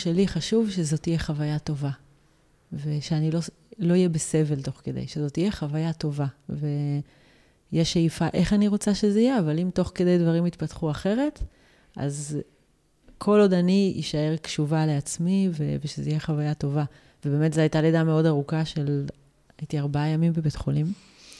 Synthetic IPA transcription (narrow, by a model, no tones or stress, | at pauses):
ʃeliχaʃuvʃezo̞tijeχavajato̞va | veʃeanilo̞ | lo̞ijebese̞ve̞lto̞χke̞d̪ejʃezo̞tijeχavajato̞vave | jeʃeifaʔe̞χaniʁo̞t͡saʃe̞zeijeavalimto̞χke̞de̞jdvaʁimit̪patχuaχe̞ʁe̞t | ʔa̰z | kʰo̞lo̞daniḭʃae̞ʁkʃuvaleat͡smiveveʃezeijeχavajato̞va | vebeːmetzeajtaledameo̞daʁukaʃel | aitiaʁbaajamimbebetχolim